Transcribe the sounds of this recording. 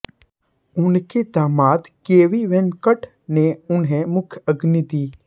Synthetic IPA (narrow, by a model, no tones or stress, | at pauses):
ʊnked̪aːmaːt̪keːʋiʋẽnkəʈ | neʊnɦẽmʊkʰjəɡnid̪iː